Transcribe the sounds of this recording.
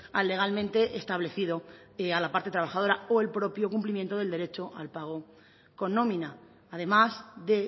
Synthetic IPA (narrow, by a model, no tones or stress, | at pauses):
alːe̞ɣ̞almẽnt̪e̞ʔest̪aβle̞θiðo̞ | alapaɾt̪et̪ɾaβ̞axað̞o̞ɾao̞e̞lpɾo̞pjo̞kumplimjent̪oðe̞ld̪e̞ɾe̞t͡ʃo̞ʔa̰lpaɣ̞o̞ | ko̞nːõ̞mĩnaː | ðe̞mazðe̞